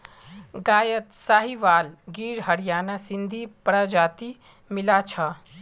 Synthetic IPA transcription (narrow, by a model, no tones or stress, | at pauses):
ɡaːjət̪saːɦiʋaːlɡiːɾɦəɾijaːnasind̪ʱipəɾəd͡ʒaːt̪i | milat͡ʃʰə